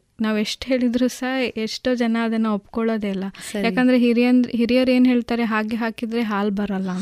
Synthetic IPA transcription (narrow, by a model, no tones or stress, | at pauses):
naːʋeʂʈɦe̞ːɭid̪ɾusɐɦeʂʈoːd͡ʒɐnɐːd̪ɐnːɐopːkɔɭoːd̪eːlːɐsjaːkɐnd̪ɐɾeɦiɾiɐnɦiɾijɐɾe̞ːnɦe̞ːɭt̪aːɾeɦaːɡeɦaːkid̪ɾeɦaːlbɐɾɐlːɐ